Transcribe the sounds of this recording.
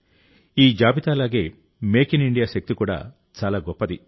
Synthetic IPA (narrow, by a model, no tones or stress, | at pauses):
iːd͡ʒaːbit̪aːlaːɡe̞ː | meːkiniɳɖijaːʃɐk̚t̪ikuːɽa̰ː | t͡ʃaːlaːɡɔpːɐd̪i